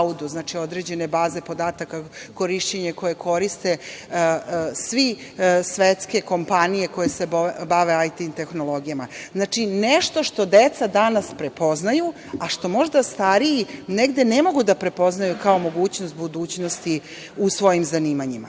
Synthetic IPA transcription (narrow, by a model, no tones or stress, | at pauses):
ud̪uznaːt͡ʃio̞d̪ɾe̞d͡ʑe̞ne̞baːze̞po̞d̪aːt̪akako̞ɾiʃt͡ɕeɲeko̞jekʰo̞ɾist̪e̞ | sʋisʋet̪ske̞ko̞mpanijeko̞jesebaʋe̞ajt̪int̪e̞xno̞lˠo̞ɡijamaznat͡ʃineʃt̪o̞ʃt̪o̞d̪et̪sad̪anaspɾepo̞znaju | aʃt̪o̞mo̞ʒd̪ast̪aɾijineɡd̪e̞nemo̞ɡud̪apɾe̞po̞znajukao̞mo̞ɡuːt͡ɕnost̪̚bud̪uːt͡ɕno̞st̪i | usʋo̞jimzaniːmaɲima